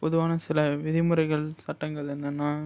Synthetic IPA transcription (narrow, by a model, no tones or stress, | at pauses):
pɔðɯʋaːnɐsɪlɐʋɪðɪmɯɾɐɪɣɐɭsɐʈːɐŋɡɐɭɛnːɐnːaː